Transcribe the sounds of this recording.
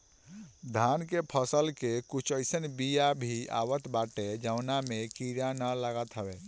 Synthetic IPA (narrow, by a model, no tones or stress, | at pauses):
d̪ʱankepʰəsəlkekut͡ʃʰəjsənbijabʱia̰wət̪baʈed͡ʒawnamekiɾjanəlaɡət̪ɦəbe